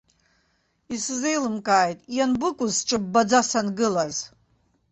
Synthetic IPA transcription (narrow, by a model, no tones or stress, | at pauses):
isɨze̞jlɨmkʼaːjtʼjanbɨkʷʼʊzʈ͡ʂʼɨbbːad͡zasanɡɨlaz